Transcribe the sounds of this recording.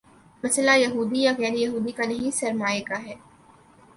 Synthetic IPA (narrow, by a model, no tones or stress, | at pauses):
mɐslajɐɦuːd̪ijaɣɛːɾijɐɦuːd̪ikanɐɦĩsɐɾmaːjekaɦɛː